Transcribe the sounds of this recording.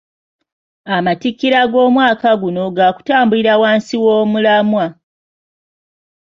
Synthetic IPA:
amatikːiɾaɡo̞ːmwaːkaɡuno̞ɡaːku̥taːmbuliɾawaːnsiwo̞ːmulamwa

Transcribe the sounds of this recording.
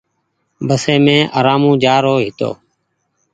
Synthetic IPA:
bəseːmẽːʔə̰ːɾaːmũːd͡ʒaːɾoːɦɪt̪o̰ː

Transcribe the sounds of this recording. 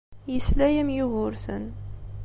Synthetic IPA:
jəslæjəmjʊɣʊɾsə̰n

